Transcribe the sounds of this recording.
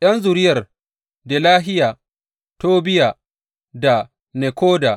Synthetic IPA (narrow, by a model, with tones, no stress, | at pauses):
ʔjɐ˦nzʊ˨ɾɪ˦jɐ˨r | de˨laː˦ɦɪ˦jaː˨ | toː˦bɪ˦jaː˨ | da˨ | ne˨kʷoː˦daː˨